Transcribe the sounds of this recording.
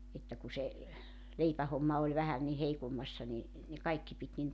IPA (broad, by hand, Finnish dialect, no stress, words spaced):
etːæ ku se leipæhomːɑ olʲ ʋæhæn ni heikomːɑsːɑ ni ne kɑikːi pit nin